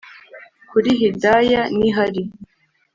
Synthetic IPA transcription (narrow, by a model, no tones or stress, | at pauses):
kuɾiɦidajaniɦaɾi